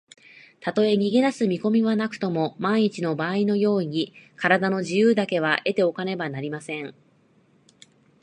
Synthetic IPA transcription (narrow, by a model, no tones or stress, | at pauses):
t̪at̪o̞e̞ɲ̟iɡe̞d̪asɨmʲiko̞mʲiβanakɯ̟̥t̪o̞mo̞maiɲ̟it͡ɕino̞baːino̞jo̞ːɲ̟ikaɾad̪ano̞ʑijɯːd̪ake̞β̞aʔe̞t̪e̞o̞kane̞banaɾʲimasẽ̞ŋ